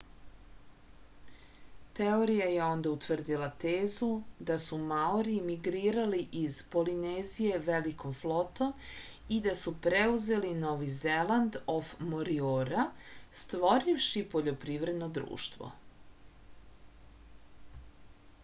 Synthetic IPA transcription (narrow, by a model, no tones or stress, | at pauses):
t̪eoɾijajeo̞nd̪aut̪ʋr̩d̪ilˠat̪eːzud̪asumaoɾiːmiɡɾiːɾaliʔizpo̞lineːzije̞ʋeliko̞mflo̞t̪o̞m | id̪asupɾeuze̞lino̞ʋizeland̪ofmoɾioːɾast̪ʋo̞ɾiʋʃipo̞ʎo̞pɾiːʋɾe̞d̪no̞d̪ɾṵːʃt̪ʋo̰